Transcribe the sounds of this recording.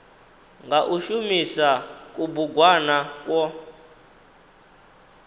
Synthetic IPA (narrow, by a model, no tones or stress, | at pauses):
ŋɡaʔuʃumisakubuɡwanakwɔ